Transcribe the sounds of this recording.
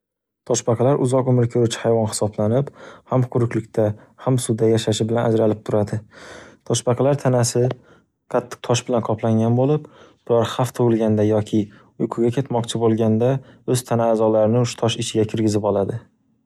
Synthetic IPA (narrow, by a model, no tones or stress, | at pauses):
t̪ʰɒʃbɑqʰɑlaɾʔʊzɒqʊmɾkʲʰoɾʊt͡ʃʰɪ̥hajvɒnhɪ̥sɒblanɪphamqʰʊɾʊkʲlɪk̚ʲt̪ʰa | hamsʊd̪ajaʃaʃɪbɪlanʔad͡ʒɾalɪp̚t̪ʰʊɾad̪ɪt̪ʰɒʃbɑqʰɑlaɾt̪ʰanasɪ | qʰɑt̪ʰːɪ̥q̚t̪ʰɒʃbɪlanqʰɒplˠaŋʲanbolɪpb̥ʊlaɾhaft̪ʰʊwɪlˠɡʲand̪ajɒkʲʰɪ | ʊjqʰʊɡʲakʰʲe̞t̪mɒqt͡ʃʰɪbolˠɡʲand̪aɵz̥t̪ʰanaːzɒlaɾɪnɪʊʃt̪ʰɒʃɪt͡ʃʰɪɡʲakʲʰɪɾɡʲɪzɪpɒlˠad̪ɪ